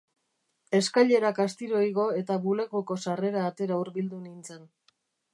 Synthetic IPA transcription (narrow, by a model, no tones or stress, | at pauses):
e̞skaʎe̞ɾakast̪iɾo̞iɣo̞e̞t̪aβuleɣoko̞sare̞ɾaːt̪e̞ɾauɾβild̪unint͡sen